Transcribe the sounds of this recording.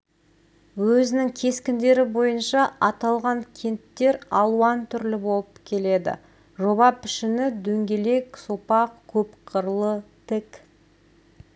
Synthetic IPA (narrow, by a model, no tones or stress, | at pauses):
wɵzɪnɪŋkʲʰe̞skʲɪnd̪e̞ɾɪbo̞jənʃɑɑt̪ɑlˠʁɑŋkʲʰe̞nt̪ːe̞ɾɑlˠuɑnt̪ʰʏɾlɪbo̞lˠəpkʲʰe̞le̞d̪ɪ̰ | ʒo̞bɑpʰɪ̥ʃɪnɪd̪ɵŋɡʲe̞le̞ksopɑqkʲʰɵpqʰəɾlˠət̪ʰɪk